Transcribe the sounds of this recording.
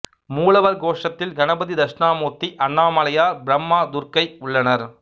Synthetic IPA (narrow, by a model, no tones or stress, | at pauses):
muːlɐʋɐɾɡoːʂɐt̪ːɪlɡɐnɐbɐðid̪ɐʂɳaːmoːt̪ːiʔɐɳːaːmɐlɐjaːɾbɪɾɐmːaːd̪ʊɾkɐɪʊɭːɐnɐɾ